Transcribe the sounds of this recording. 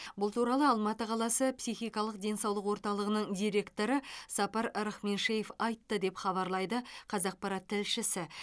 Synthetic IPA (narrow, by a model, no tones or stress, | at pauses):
bʊlˠt̪uɾɑlˠəɑlˠmɑt̪əqʰɑlˠɑsəpsijχijkɑlˠəq̚d̪e̞nsɑwlˠəqwo̞ɾt̪ɑlˠəʁənəɴd̪ijɾe̞kt̪o̞ɾəsɑpɑɾɾəχme̞nʃejefɑjt̪ːəd̪e̞pχɑβɑɾlˠɑjd̪əqʰɑzɑq̚pɑɾɑt̪ʰːɪlʃɪsɪ